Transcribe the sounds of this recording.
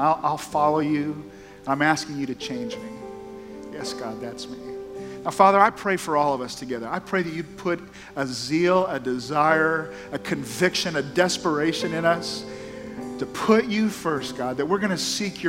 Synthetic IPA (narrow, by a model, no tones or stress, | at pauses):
aɪlˠʔaɪlˠfɑlˠoʊjʉ | ə̃nãɪ̃mæskɪ̃ŋjɨɾɨt͡ʃʰẽɪ̃nd͡ʒmi | jɛsɡ̥ɑd̪̚ðætsmiaʊfɑðə˞aɪpʰɹ̥eɪfə˞ɔlˠʌvʌstʰɨɡɛðə˞aɪpʰɹ̥eɪðɨt͡ʃɨd̚pʰʊɾ | əzilˠədɨzaɪə˞ | ɨkʰɨ̃ɱvɪkʃɨ̃nɨdɛspə˞eɪʃɨ̃nɨ̃nʌs | tʰɨpʰʊt͡ʃɨfɜ˞st̚ɡ̥ɑd̪̚ðɨt̚wɨɹɡʌñɨsikʰjə